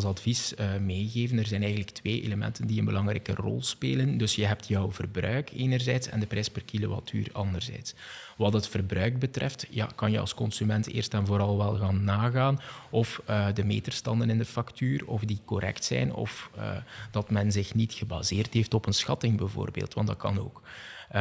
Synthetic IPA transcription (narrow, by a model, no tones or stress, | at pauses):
lˠsɑdvisəmeːɣeːvənərzɛjnɛjɣən̩ləktʋeːʔḛləmɛ̰ntəndiənbəlɑŋɾɛ̰ːkərɔ̰lˠspeːləndɵsjəɦɛp̚tjɔwvərbrœɥkeːnərzɛjtsɛ̰ndəprɛjspərkilowa̰tʰy̰ːrɑndərzɛ̰jtsʋɑtətfərbrœɥɡ̚bətrɛ̰ftja̰kɑnjəɑ̰lˠskɔnsymɛntḛːrstɛnvoːɾɑlˠʋɛlˠɣaːnːaːɣaːnɔfədəmeːdərstɑndənɪndəfɑktyːrɔfdikɔɾɛ̰ktsɛ̰jnɔ̰fə̰d̥ɑtmɛnzɪxnitxəba̰zeːrtɦeftɔpənsxɑtɪŋbɛvo̰ːrbḛːlˠtʋɑ̰ndɑt̚kɑno̰ːk